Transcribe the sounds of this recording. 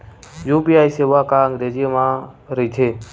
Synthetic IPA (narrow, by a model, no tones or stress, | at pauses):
jupiajseʋakaəŋɡɾezijəmã | ɾəit͡ʃ̪ʰe